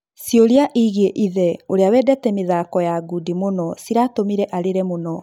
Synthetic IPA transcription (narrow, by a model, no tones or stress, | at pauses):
sjoɾeaʔiɣeʔiðɛoɾeawɛːdɛtɛmeðaːkɔjaɡudimonɔsiɾatomiɾɛʔaɾeɾɛmonɔ